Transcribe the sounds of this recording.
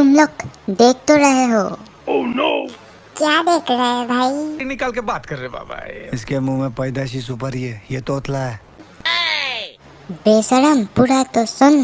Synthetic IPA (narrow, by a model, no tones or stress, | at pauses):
t̪ʊmlokd̪eːk̚ʰt̪oɾɐɦeɦoː | ono | kjaːd̪eːkʰɾaɦebʱaːiinɪkaːlkebaːt̪kɐɾːeba̰ːbʱa̰ːiɪskemumẽpɐɪd̪aʃis̬upəɾiejet̪oːt̪laɦɛ | beːsəɾəmpuɾat̪osʊn